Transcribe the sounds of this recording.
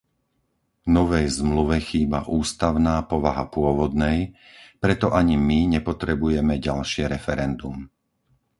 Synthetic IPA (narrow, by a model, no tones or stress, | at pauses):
nɔʋɛjzmluʋɛxiːbaʔuːst̪aʊnaːpɔʋaɦapʊɔʋɔd̪nɛj | pɾɛt̪ɔʔaɲimiɲɛpɔt̪ɾɛbujɛmɛɟalʃɪɛɾɛfɛɾɛnd̪um